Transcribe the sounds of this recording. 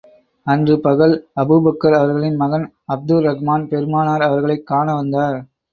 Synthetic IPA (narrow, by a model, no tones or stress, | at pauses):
ɐndrɯpɐɣɐɭɐbubɐkːɐɾɐʋɐɾɣɐɭɪnmɐɣɐn | ɐb̚d̪ɯɾɐɣmaːnpɛɾɯmaːnaːɾɐʋɐɾɣɐɭɐɪkːaːɳɐʋɐnd̪aːɾ